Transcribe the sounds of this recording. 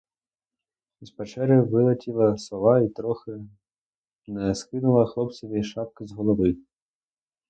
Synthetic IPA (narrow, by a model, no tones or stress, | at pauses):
zpɛt͡ʃɛɾʲʊʋɪlˠɐtʲilˠɐsɔlɑit̪ɾɔxɪ | nɛskɪnʊlˠɐxlˠɔpt͡sʲɔʋʲiʃɑp̚kɪzɦɔlˠɔʋɪ